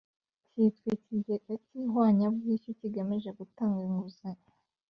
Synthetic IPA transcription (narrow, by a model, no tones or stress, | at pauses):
citwicijeɡaciɦwaːɲabɡiɕuciɡamiʒeɡutaːŋɡeŋɡuze